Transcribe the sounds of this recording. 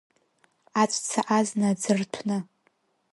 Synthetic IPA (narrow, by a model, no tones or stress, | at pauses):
at͡ɕʷʼt͡sʰaʔaznad͡zɨrtʷʰnɨ